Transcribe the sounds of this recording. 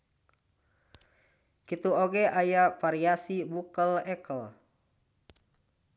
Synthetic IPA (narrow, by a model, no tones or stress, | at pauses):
kit̪uoɡɛʔajafaɾiasibukəlɛkəl